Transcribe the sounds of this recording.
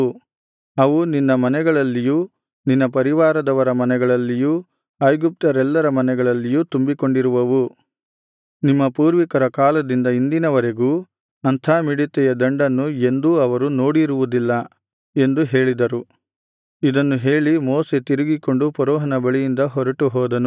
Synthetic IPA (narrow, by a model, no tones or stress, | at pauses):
ɐʋuninːɐmɐnɛɡɐɭɐlːijuː | ninːɐpɐɾiʋaːɾɐd̪ɐʋɐɾɐmɐnɛɡɐɭɐlːijuː | ɐjɡup̚t̪ɐɾɛlːɐɾɐmɐnɛɡɐɭɐlːijuːt̪umbiko̞ɳɖiɾuʋɐʋu | nimːɐpuːɾʋikɐɾɐkaːlɐd̪ind̪ɐind̪inɐʋɐɾe̞ɡuː | ɐnt̪ʰaːmiɽit̪ːɛjɐd̪ɐɳɖɐnːue̞nd̪uɐʋɐɾuno̞ːɽiɾuʋud̪ilːɐ | e̞nd̪uɦe̞ːɭid̪ɐɾu | id̪ɐnːuɦe̞ːɭimoːset̪iɾiɡiko̞ɳɖupɔɾɔːɦɐnɐbɐɭijind̪ɐɦɔɾɐʈuɦɔːd̪ɐnu